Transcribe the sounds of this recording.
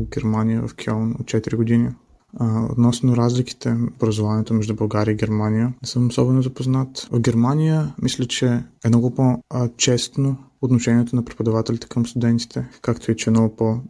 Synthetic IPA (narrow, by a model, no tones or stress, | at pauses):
ɡʲɛɾmanijə̰və̰fkʲʰɛlˠno̰t̪̚t͡ʃɛt̪iɾiɡʊd̪ini | o̰t̪nɔsnʊɾazliki̥t̪ɛobɾɐzovanʲiɛt̪omɛʒd̪ubɐlˠɡaɾʲiəiɡɛɾmanijənɛsɤmosɔbɛnʊzɐpoznat̪vɡʲɛɾmanijəmislʲət͡ʃɛɛnɔɡʊpot͡ʃɛst̪noːt̪noʃɛnʲiɛt̪onɐpɾi̥pod̪ɐvat̪ɛlʲit̪ɛ̥kəmst̪ʊd̪ɛnt̪i̥t̪ɛkakt̪oit͡ʃɛnɔɡʊpo